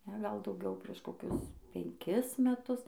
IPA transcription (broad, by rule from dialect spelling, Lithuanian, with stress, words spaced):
ˈnʲɛ ɡɐlˠ dɐʊˈɡʲɛʊ pʲrʲiɛʃ koːˈkʲʊs pʲɛŋʲˈkʲɪs mʲɛˈtʊs